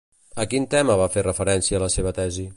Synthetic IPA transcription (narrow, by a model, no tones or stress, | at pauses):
əkint̪ɛməβaferəfəɾɛnsiəːləseβ̞ət̪ɛzi